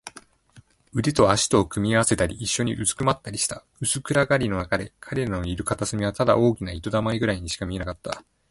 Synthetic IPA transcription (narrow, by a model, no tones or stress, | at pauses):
ɯ̟d̪et̪o̞aɕi̥t̪o̞ːkɯ̟mʲiaβase̞t̪aɾʲiːɕːo̞ɲ̟iʔɯzɨ̥kɯ̟mat̪ːaɾʲiɕi̥t̪a | ɯ̟sɨkɯ̟ɾaɡaɾʲino̞nakad̪e̞kʰaɾe̞ɾanoiɾɯ̟kat̪asɨmʲiβat̪ad̪a̰ʔo̞ːkʲinait̪o̞d̪amaiɡɯ̟ɾaiɲ̟iɕi̥kamʲie̞nakat̪ːa